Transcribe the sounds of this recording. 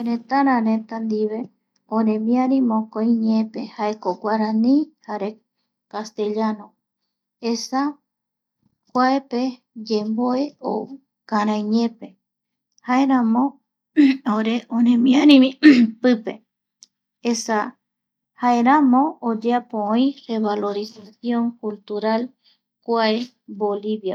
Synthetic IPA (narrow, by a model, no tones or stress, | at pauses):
eɾẽt̪aɾãɾẽ̞t̪and̪iβe̞ | õɾẽmĩaɾĩmõkoj̃ɲẽpe̞haekokʷaɾãnĩhaɾe | kast̪e̞ʎanõ | esa | kʷaepe | d͡ʒemboeo̰ | kãɾãjɲẽ̞pe̞ | haeɾãmõ | oɾeʔonẽmĩaɾĩmĩpɨpe | esa | haeɾamõːd͡ʒeapõoĩreβalo̞ɾisasjõŋkult̪uɾal | kʷae | boliβja